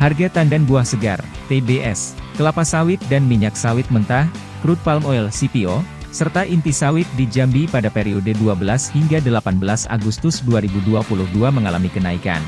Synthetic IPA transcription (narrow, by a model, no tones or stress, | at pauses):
harɡat̪andanbuahsəɡa̰rt̪ebeʔɛ̰skəlapasawɪt̪̚danmiɲak̚sawɪt̪̚mənt̪ah | kɾut̪̚palmoɛlsipio | sərt̪aʔint̪isawɪt̪̚did͡ʒambipadapeɾiodəduabəlashiŋɡadəlapanbəlasa̰ɡust̪ʊsduaɾibuduapulʊhduaməŋalamikənaika̰n